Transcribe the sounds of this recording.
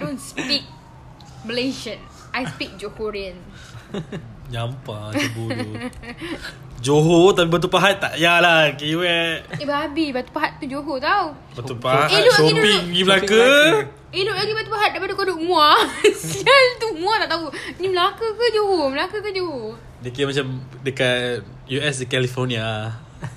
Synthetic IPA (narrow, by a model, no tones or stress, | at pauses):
donspik̚ | məleʃəns | ajspik̚d͡ʒohoɹiən | ɲampabu | d͡ʒoɦot̪apibat̪̬upaɦat̪̚ːa̰ʔjalakiwɛebabibat̪u̥paɦat̪̚t̪ːud͡ʒoɦot̪aw | baupaedosopiŋnimlakə | enoʔlaɡibat̪upaɦat̪̚daipadakodoʔŋũasiəlt̪umũat̪aʔt̪aunimlakəkəd͡ʒoɦoməlakəkəd͡ʒoɦo | dəkimat͡ʃamdəkat | juɛsdəkɛlifonia